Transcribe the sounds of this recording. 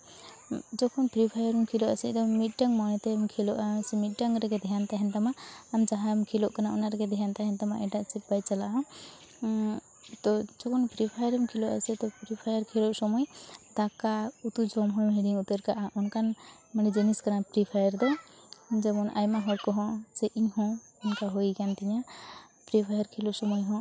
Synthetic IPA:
d͡ʒɔkʰɔnpɾipʰajaɾɔmkʰilɔʔasɛt̪ɔmit̪̚ɖaŋmanɛt̪ɛmkʰɛlɔʔasɛmit̪̚ɖaŋɾɛɡɛd̪ɛjant̪aɦɛnt̪amaːmd͡ʒaɦamkʰilɔʔkanaɔ̰naɾɛɡɛd̪ɛɦant̪aɦɛnt̪ama̰ʔɛɖaʔsip̚bajt͡ʃalaʔɦɔ̃ | t̪ɔd͡ʒɔkʰɔnpɾipʰajaɾɛmkʰilɔʔa̰sɛt̪ɔpɾipʰajəɾkʰilɔʔsɔmɔjd̪akaut̪ud͡ʒɔmɦɔ̃mɦɛɽiut̪eɾkaʔaʔɔnkan | mənid͡ʒɛniskaɾapɾipʰajəɾd̪ɛ | d͡ʒɛmɔna̰jmaɦɔkɔɦɔ̃sɛʔĩɦɔ̃ | ɔnkaɦoikant̪iɲa | pɾipʰajəɾkʰilɔʔsɔmɔjɦɔ̃

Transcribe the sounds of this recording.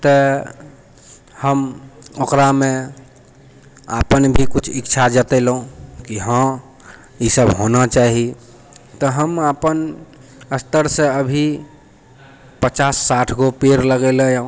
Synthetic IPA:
t̪ɔ | həmokɾamẽ | a̰pənbʱikut͡ʃʰikːt͡ʃʰad͡ʒət̪ɛlũkiɦə̃ | isəbɦonat͡ʃaɦi | t̪ɔɦəməpən | əst̪əɾsẽəbʱi | pət͡ʃasːaʈʰɡopeɾləɡɛləj̃

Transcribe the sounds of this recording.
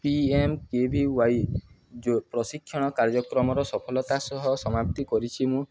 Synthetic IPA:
piemkebʱiwaj | d͡ʒopɾɔsikʰːjɔɽ̃ɔkaɾd͡ʒɔkɾɔmɔɾɔsɔpʰɔlɔt̪asɔɦɔsɔmap̚t̪ikɔɾit͡ʃʰimũ

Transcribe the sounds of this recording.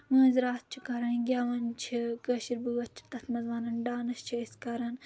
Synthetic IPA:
mɐ̃ːzɾaːt̪̚t͡ʃʰikɐɾɐnɡʲaːʋɐnt͡ʃʰikəʃiɾbuʋɐt̪̚t͡ʃʰi̥t̪ɐt̪ʰmɐzʋaːnɐnɖaːnɐʃt͡ʃʰiiskɐɾɐn

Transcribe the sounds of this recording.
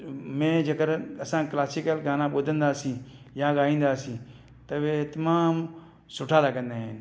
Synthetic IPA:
mẽd͡ʒɐɡəɾɐsãklaːsikəlɡaːnãɓoːd̪ʱə̃nd̪aːsĩjãɡaːĩːnd̪aːsĩ | t̪ɐʋet̪ɐmaːm | sʊʈʰaːlaɡə̃nd̪aːɦen

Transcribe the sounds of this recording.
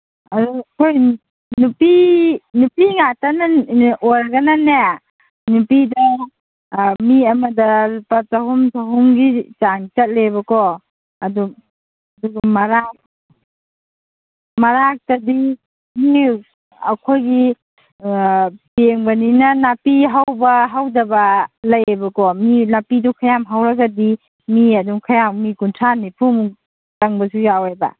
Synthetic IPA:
adukʰoj | nupinupiŋatanaojɾaɡanane | nupidɐ | miɐmɐdɐlpɐtaɦumtʰaɦuŋɡit͡ʃaŋt͡ʃɐt̚lebɐkɔ | ɐdu | ɐduɡɐmɐɾak̚ | mɐɾak̚tɐdi | mi | ɐ̰kʰojɡi | peŋbɐninɐnapiɦawbɐɦawdɐbɐlɐjbɐkɔminapidukʰajamɦawɾɐɡɐdi | miɐduŋkʰɐjammikuntʰanipʰum | tɐŋbɐsujawajbɐ̰

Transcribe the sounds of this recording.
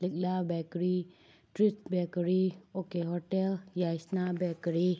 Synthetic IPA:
lɪk̚labɛkɾi | ʈɾitbɛkɾiokeɦɔʈeljasnabɛkɾi

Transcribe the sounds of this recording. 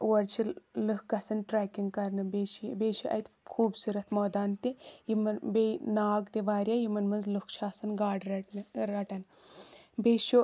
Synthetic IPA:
wɐɾt͡ʃʰilɨkɡɐsɐnʈɾaːkiŋɡkɐɾnɨbeːʃibeːt͡ʃʰiʔɐ̰jt̪ʰkʰuːbsuɾɐt̪moːd̪aːnt̪ijimɨnbenaːɡt̪iʋaːɾʲjajimɐnmɐnzlukʰt͡ʃʰaːsɐnɡaːɖɾɐnɾɐʈɐn | beːʃu

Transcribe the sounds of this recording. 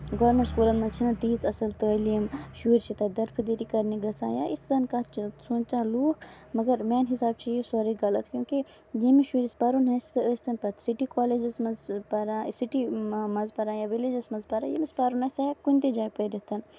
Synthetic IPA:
ɡoːɾmeɳʈskuːlɐnmɐt͡ʃʰinɐt̪iːt͡sɐsɐlt̪əliɐmʃuːɾʲt͡ʃʰit̪ɐd̪ɐɾpʰd̪iɾikɐɾniɡɐsa̰ːja̰ːʔisd̪ɐnkat͡ʃʰsuːnt͡ʃãːluːkʰ | mɐɡɐɾmaːnɦisaːbt͡ʃʰijisɔːɾiɡɐlɐt̪kʲjũːki | jemiʃuːɾispaɾunɦɐsɨəsʲt̪ɐnpɐt̪siʈikɔːleːd͡ʒɐsmɐzpɐɾãːsiʈimɐzpɐɾãːjaːʋiled͡ʒɐsmɐzpɐɾã̰ːjḛmispaɾunɐsɐkunʲt̪ed͡ʒaːjpəɾit̪ɐn

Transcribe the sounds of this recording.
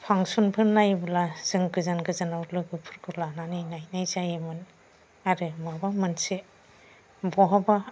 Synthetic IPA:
pʰaŋsunpʰɯnːajbɯlaz̥ɯŋɡɯzanɡɯzanawlɯɡɯpʰɯɾkʰɯlananinajnajzajemɯn | aɾɯmabamɯnsi | bɔɦaba

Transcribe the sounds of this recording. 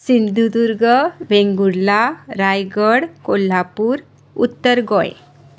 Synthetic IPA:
sind̪ʱud̪uɾɡəʋẽŋɡuɽlaɾajɡəɽkolːapuːɾ | ṵt̪ːəɾɡõj

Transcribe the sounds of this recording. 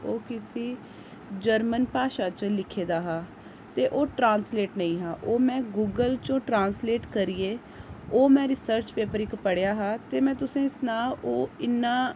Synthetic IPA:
oːkɪsiː | d͡ʒəɾmənpaːʃaːt͡ʃlɪkʰeːd̪aːɦaː | t̪eːʔoːʈɾãːnsleːʈnəĩːɦaːʔoːmɛ̃ːɡuːɡəlt͡ʃõːʈɾaːnsleːʈkəɾieː | oːmɛ̃ːɾɪsəɾt͡ʃpeːpəɾɪkpəɽejaːɦaːt̪eːmɛ̃ːt̪ʊsẽːɪsnaːoːɪnːaː

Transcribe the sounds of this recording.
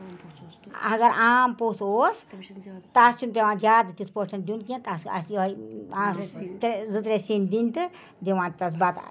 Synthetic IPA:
ɐɡɐɾaːmposoːst̪ast͡ʃunpʲeʋãːd͡ʒaːd̪ɨt̪ispoʈɐnɖunkẽnt̪asɐ̰sjɦɐj | t̪ɾezɨt̪ɾesind̪int̪ɨ | d̪eʋãːt̪ɐs̬bat̪

